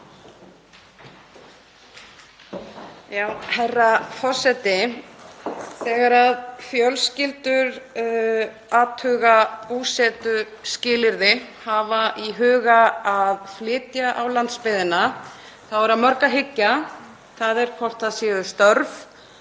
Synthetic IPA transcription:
jaːwhɛrːafɔ̥sɛt̪ɪ | θɛːɣaɾaðfjœlscɪlt̪ʏɾ | aːt̪hʏɣapusɛːt̪ʏ | scɪːlɪɾðɪhavaʔiɦʏːɣaaðflɪːt̪jaʔawlant̪spɪðɪna | θaðvɛɾaðmœɾkaɦɪcːa | θaðɛɾ̥kʰvɔr̥t̪aðsjɛːðʏst̪œɾv

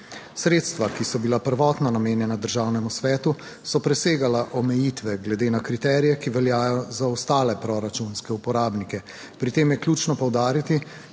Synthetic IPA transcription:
sɾeːt̪st̪ʋakisɔbilapəɾʋɔːt̪nanameːnjɛnad̪əɾʒaːwnɛmusʋɛːt̪u | sɔpɾɛseːɡalaʔɔmɛjit̪ʋɛɡlɛd̪eːnakɾit̪ɛːɾijɛkiʋɛljaːjɔzaɔst̪aːlɛpɾɔɾat͡ʃunskɛupɔɾaːbnikɛ | pɾit̪eːmjɛkljuːt͡ʃnɔpɔwd̪aːɾit̪i

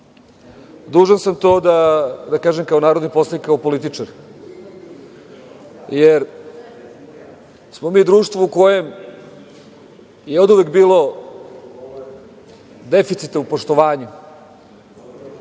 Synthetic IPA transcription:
d̪uːʒensamt̪oːd̪ad̪akaːʒemkao̞naːɾod̪nipo̞slanikːaopo̞lit̪it͡ʂaɾ | jeɾ | smo̞miːd̪ɾuːʂt̪vʋouko̞jem | jeod̪uʋekbiːlˠo̞ | d̪efit̪sit̪aupoʂt̪o̞ʋaːɲu

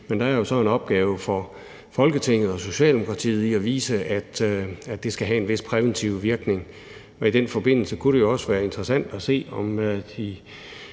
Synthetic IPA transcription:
mend̥ɑæɐjo̝sɒ̽e̝nɒ̽b̥̚ɡ̥ɛːʊfɒ̽ | fɒ̽lɡ̥ət͡sʰe̝ŋ̰ð̞̩ˠɒ̽so̝ɕɛ̰ːld̥emokʰʁɑ̈t͡sʰḭːð̞̩ˠiɒʋḭːsəæd̥æ̥d̥e̝sɡ̥æɦæe̝nʋe̝spʰʁɛʋent͡sʰiʊʋiɐɡ̥ne̝ŋ | ɒ̽id̥enfɒ̽b̥e̝n̰l̩səkʰuɾ̥e̝jo̝ɒ̽səʋæːɐe̝nd̥ʁɐsæn̰d̥ɒse̝̰ːɒ̽md̥i

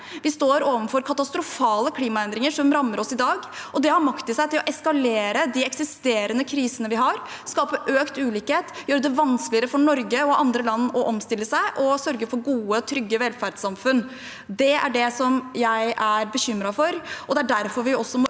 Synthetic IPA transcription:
ʋɪst̪oːɾoːʋənfɔɾkʰɑt̪ɑst̪ɾʊfɑːləkʰliːmɑɛnd̪ɾɪŋəʂɔmɾɑmːəɾɔsɪd̪ɑːɡʔɔd̪ɛhɑɾmɑkt̪ɪsæɪt̪ʰɪlɔʔɛskɑleːɾəd̪iɛksɪst̪eːɾənəkʰɾiːsənəʋɪɦɑɾ | skɑːpəʔøːkt̪ʉːliːkheːt̪jøːɾəd̪ɛʋɑnsklɪəɾəfɔɳɔɾɡəɔʔɑnd̪ɾəlɑnːɔʔɔmst̪ɪlːəsæɪʔɔsœɾɡəfɔɾɡuːət̪ʰɾʏɡːəʋɛlfæɖsɑmfʉn | d̪ɛæ̰ɖɛsɔmjæɪʔæɾbəçʏmɾɑfɔɾʔɔd̪ɛææɖæɾfɔɾʋɪɔsːɔmɔ

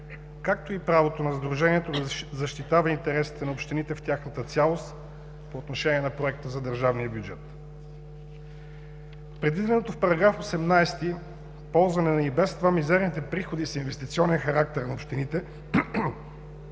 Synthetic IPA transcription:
kak̚t̪oipɾavot̪onɐzd̪ɾuʒɛniɛt̪od̪ɐzɐʃt̪it̪avɐint̪ɛɾɛsi̥t̪ɛnɐopʃt̪init̪ɛft̪ʲaxnət̪ət̪sʲalˠost̪ | poːt̪noʃɛniɛnɐpɾoɛk̚t̪əzɐd̪əɾʒavnijəbjud͡ʒɛt̪ | pɾɛd̪vid̪ɛnot̪ofpɐɾɐɡɾafosɛmnajst̪i | pɔlˠzvɐnɛnɐibɛst̪vamizɛɾnit̪ɛpɾixod̪isinvɛst̪it̪siɔnɛnxɐɾak̚t̪ɛɾnɐopʃt̪init̪ɛ

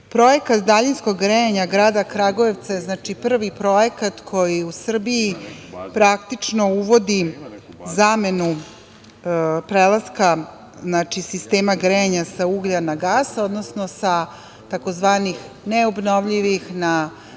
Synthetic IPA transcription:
pɾo̞jekat̪d̪aʎinsko̞ɡːɾeeɲaɡɾaːd̪akɾaɡoeʋt̪sajeznaːt͡ʃipr̩ʋipɾo̞jekat̪kʰo̞jiusr̩biipɾakt̪it͡ʂnouʋo̞d̪i | zame̞nu | pɾelˠaska | znat͡ʂisist̪e̞ːmaɡɾeɲasauɡʎanaɡaːso̞d̪nosnosa | t̪akozʋaːnix | neobnoʋʎiʋixna

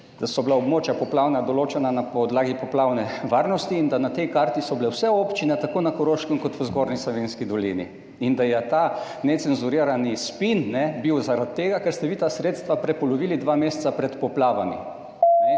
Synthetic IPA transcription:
d̪̥asɔblaɔbmoːt͡ʃjapɔplawnad̪ɔloːt͡ʃɛnanapɔd̪laːɡipɔplawnɛʋaɾnɔst̪iːnd̪anat̪ɛjkaɾt̪isɔblɛwsɛopt͡ʃinɛt̪akoːnakɔɾoːʃkəmkɔt̪ʋəzɡoːɾnislɔʋeːnskid̪ɔlḭnḭ | ind̪ajɛt̪a | nɛt̪sɛnzuɾiɾanispinnɛbiwzaɾat̪ːeːɡakɛɾst̪ɛʋiːt̪asɾeːt̪st̪ʋapɾɛpɔlɔʋiːlid̪ʋameːst̪sapɾɛt̪pɔplaːʋa̰mḭ | nɛ

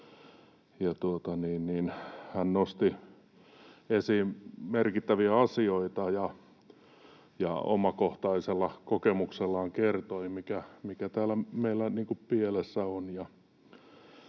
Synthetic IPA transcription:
jɑt̪uot̪ɑniːnniːnhænnost̪i | esiːmmerkit̪ːæʋiæɑsioit̪ɑjɑ | jɑ̰o̰mɑkoht̪ɑiselːɑkokemukselːɑːŋkert̪oimikæmikæt̪æːlæmeilːæniːŋkuppielesːæonjɑ

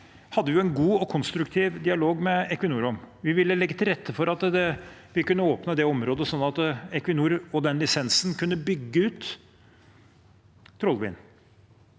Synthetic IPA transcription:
hɑd̪ːəʋjʊɛnɡuːɔkʰɔnst̪ɾʉkt̪ʰiːʋd̪ɪɑloːɡmɛɛkʋɪnuːɾɔmʋɪʋɪlːəlɛɡːət̪ʰɪlɾɛt̪ʰːəfɔɾɑt̪d̪ɛʋɪkʉnːəoːpnəd̪ɛɔmɾoːd̪əsɔnːɑt̪ɛkʋɪnuːɾɔd̪ɛnlɪsɛnsnkʰʉnːəbʏɡːəʉːt̪ | ɾɔlʋɪ̰ːn

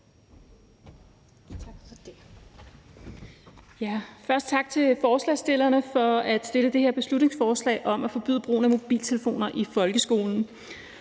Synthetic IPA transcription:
ɡ̥d̥e | jæfɶɐsd̥̚t͡sʰɑ̈ɡ̥̚t͡sʰe̝lfɒːslɛ̰ːsd̥e̝lɐnəfɒ̽æd̥sd̥eləd̥e̝he̝ɐb̥e̝slud̥ne̝ŋsfɒːslɛ̰ːɪʔɒ̽mæfɒ̽b̥y̰ðˠbʁo̰ːnæmo̝b̥ḭːlt͡sʰe̝ləfo̝̰ːnɐʔifɒ̽lɡ̥əsɡ̥o̝̰ːln̩

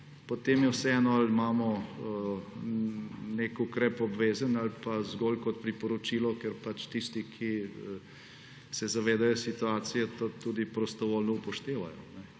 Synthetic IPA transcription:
pot̪emjɛwsɛɛːnɔalmaːmɔ | nekukɾɛpɔbʋeːzənalpazɡoːlkɔt̪̚pɾipɔɾɔt͡ʃilɔkɛɾpat͡ʃt̪ist̪ikʰi | sɛzaʋeːd̪ajɔsit̪uaːt̪sijɛt̪ot̪uːd̪ipɾɔst̪ɔʋoːlnɔupɔʃt̪eːʋa̰jɔ̰nɛ

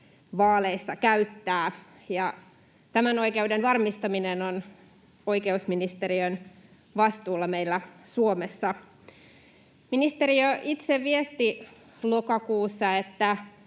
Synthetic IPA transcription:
ʋɑːleisːɑkæyt̪ːæː | jɑ | t̪æmæno̞ikeudenʋɑrmist̪ɑminenon | o̞ikeusminist̪eɾiøn | ʋɑst̪uːlːɑmeilːæsuomesːɑ | minist̪eriøʔit̪seʋʋiest̪i | lokɑkuːsːɑet̪ːæ

